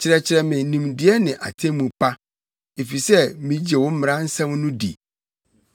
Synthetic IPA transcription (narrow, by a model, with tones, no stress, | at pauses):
t͡ɕʰɪ˨ɾɛ˨t͡ɕʰɪ˨ɾɛ˨mɪ̃˨˦nĩ˨mdɪ˨˦ɛ˦nɪ̃˨ʔa˨tʰẽ˦mũ˨pʰa˦ | e˨fi˨sɛ˦mĩ˨d͡ʑe˨wʊ̃˦m̩˦mɪ̃˨ɾã˦n̩˦sã˦mnʊ̃˦dḭ˨